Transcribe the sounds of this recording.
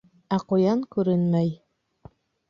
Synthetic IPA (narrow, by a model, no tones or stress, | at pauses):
æqŏjɑɴkʉɾɘnmæj